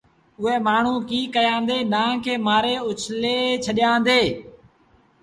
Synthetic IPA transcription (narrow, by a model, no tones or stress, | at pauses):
ʊɦeːmaːɳ̤ũːkiːkəjãːnd̪eːnãːkʰeːmaːɾeːʊt͡ʃʰleːt͡ʃʰəɗɪjãːnd̪eː